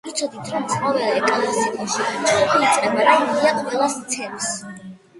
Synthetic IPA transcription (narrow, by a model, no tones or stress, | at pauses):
it̪sʰɔd̪it̪ʰɾɔmsχavɛaɛkʼalɛsikʼaʃit͡ʃʼɔpʰiːt̪sʼqʼɛbad̪aiaqʼvɛlˠast̪sʰɛms